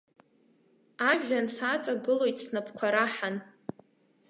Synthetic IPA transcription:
aʒᶣansat͡sʼaɡɨlojtʼsnapʰkʷʰaɾaħan

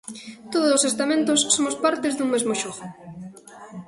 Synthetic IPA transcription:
t̪oð̞ʊsosest̪amẽnt̪ʊssomʊspaɾt̪ɪzðuŋmezmoʃoɣʊ

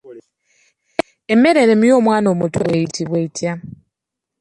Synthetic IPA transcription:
eme̞ɾeɾemijoːmwaːnomutuβweitʰiβweitja

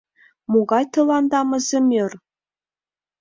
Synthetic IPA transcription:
muɡɑjt̪ɤ̆lˠɑnd̪ɑmɤ̆zʲĕmʲer

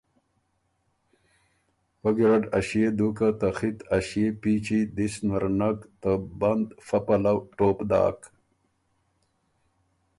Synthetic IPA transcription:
wɐɡiɾaɖɐɕed̪ukat̪axit̪aɕepiːt͡ɕid̪isnwaɾnakt̪əband̪fɐpɐlawʈoːpd̪a̰ːk

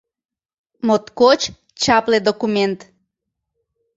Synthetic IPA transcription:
mot̪kot͡ɕ | t͡ɕɑpled̪okument̪

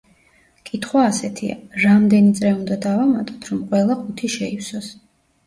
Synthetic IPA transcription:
kʼit̪ʰχwaːsɛt̪ʰia̰ɾamd̪ɛnit̪sʼɾɛund̪ad̪avamat̪ʼɔ̥t̪ʰɾɔmqʼwɛlˠaχut̪ʰiʃɛiwsɔs

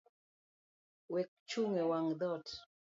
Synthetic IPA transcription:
wɛk̚t͡ʃuŋewaŋd̪ɔt

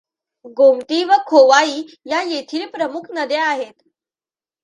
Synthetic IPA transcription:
ɡomt̪iːʋəkʰoʋaiː | jajet̪ʰiːlpɾəmukʰnəd̪eaɦet̪

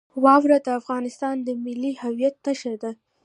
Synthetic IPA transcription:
wɑwɾad̪əafɣɑnɪst̪ɑnd̪əmɪlːihawjat̪̚naʃəɾd̪a

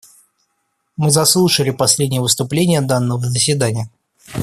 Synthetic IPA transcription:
mɨzɐslˠuʂəlʲɪpɐsʲlʲedʲnʲɪjəvɨst̪ʊplʲenʲɪjəd̪anːəvəzəsʲvʲɪd̪anʲɪjə

